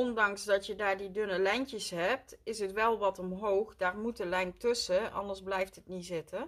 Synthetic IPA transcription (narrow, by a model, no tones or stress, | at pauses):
ɔndɑŋsdɑtjədaːɹdidɵnəlɛjnkəsɦɛp̚tɪsɦətʋɛlˠʋɑtɔmɦowχdaːɹmutəlɛjntɵsəʔɑ̰ndəɹzblɛjftɦətnizɪtə